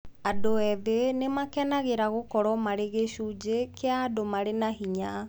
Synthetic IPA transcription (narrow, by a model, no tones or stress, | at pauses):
adoɛðenemakɛnaɣeɾaɣokɔɾɔmaɾeɣeɕud͡ʑekʰeaːdomaɾenaɦiɲa